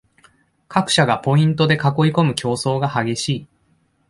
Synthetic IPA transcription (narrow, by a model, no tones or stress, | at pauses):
kʰakɯ̟̥ɕaɡapo̞ĩnt̪o̞d̪e̞kako̞iko̞mɯ̟kʲʰo̞ːso̞ːɡahaɡʲe̞ɕiː